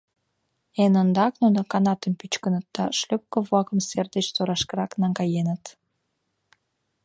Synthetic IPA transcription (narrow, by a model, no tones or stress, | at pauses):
enənd̪ɑknunəkɑnɑt̪əmpyt͡ɕkənət̪̚d̪ɑʃløp̚kovlɑkə̆mserd̪ət͡ɕsoɾɑʃkəɾɑknɑŋɡɑjenət̪